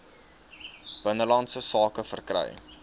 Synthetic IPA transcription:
b̥ənəlɐntsəsɑːkəfərkrœ̰j

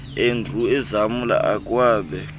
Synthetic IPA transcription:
endʱuɛzamula̰ʔakʼwaːɓɛ

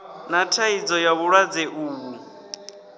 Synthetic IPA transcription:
natʰaid͡zɔjaβuɺwad͡zɛʔuːβu

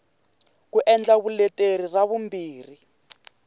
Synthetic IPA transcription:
kuʔɛnd͡ɮaβulɛteɾiraβumbiːri

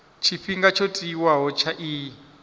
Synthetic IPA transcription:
t͡ʃʰiɸiŋɡat͡ʃʰotʼiwaɦɔt͡ʃʰaʔiː

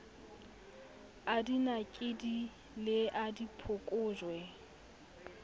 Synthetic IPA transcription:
adinakʼɪdi | lɪʔadipʰʊkʼʊːʒwɛ

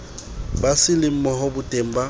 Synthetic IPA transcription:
basɪlɪm̩mɔhɔbʊtʼem̩ba

